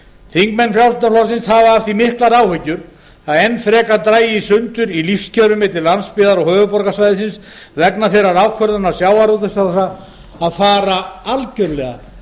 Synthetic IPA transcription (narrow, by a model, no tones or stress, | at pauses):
θiŋkmɛnfjawlt̪aflɔsɪnshavaafθimɪhklaɾaːwhʏcːʏɾ | aðɛnːfɾɛːkaɾt̪ɾaːjɪisʏnt̪ʏɾilifscʰœɾʏmɪt̪ɪllːanspɪːðaɾɔɣhœːvʏpɔɾkasvajðɪsɪns | vɛknaθejɾaɾaːwkʰœɾðanasjaːwaɾut̪ʏsaθaː | ðfaːɾaalcʏɾlɛɣa̰